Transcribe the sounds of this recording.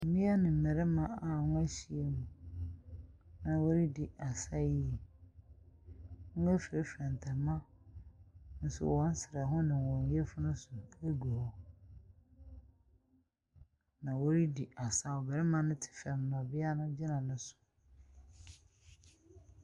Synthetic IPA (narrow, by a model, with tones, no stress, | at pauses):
m̩˨mĩ˦a˦nɪ̃˨m̩˨mɛ˨ɾɛ˦mã˨a˨nʊ̃˦æ˦ɕi˨e˦mũ˨ | nã˨wo˦ɾi˦di˨ʔa˨sa˦ji˦˨ | ŋ̩˦ɛ˦fe˦fɛ̃˨n˨tʰɛ˨mã˦ | n̩˦sʊ̰˦wɔ̃˦n˦sɪ˨ɾa˨ɦʊ̃˦nɪ̃˨wɔ̃˨˦e˦fʊ˦nʊ̃˦sʊ˨e˦ɡu˨ɔ˦ | nã˨wo˦ɾi˦di˨ʔa˨sa˦ɔ˨bɛ˨ɾɛ˦mã˨nʊ̃˦tʰɪ̥˨fɛ˨m˦mã˨bɪ˦a˦nʊ̃˦d͡ʑɪ˦nã˨nʊ̃˦sʊ̥˨